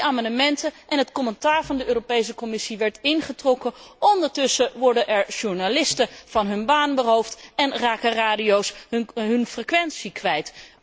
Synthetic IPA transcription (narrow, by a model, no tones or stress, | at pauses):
aːmɑndəmɛntəʔɛnɦətkɔmɛntaːɹvɑndəøːropejs̬əkɔmɪsiʋɛɹtɪnχətrɔkəɔndəɹtɵsəʋɔɹdənʔɛɹʒuɹnalɪstəv̥ɑnɦɵnbaːnbəɦowftɛnraːkəraːdiowsɦɵnfrekʋɛnsikʋɛjt